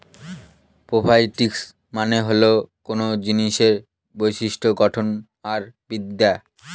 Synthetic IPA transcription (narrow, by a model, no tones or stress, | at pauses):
pɾobʱajʈiks | maneɦolokonod͡ʑiniʃeɾ | bojʃiʃʈʰoɡɔʈʰon | aɾbid̪ːa